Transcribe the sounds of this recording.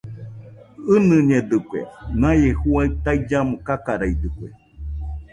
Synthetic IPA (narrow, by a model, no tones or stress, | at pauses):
ɨnɨ̃ɲed̪ɨkʷḛnãjehuait̪aid͡ʒamõkakaɾaid̪ɨkʷḛ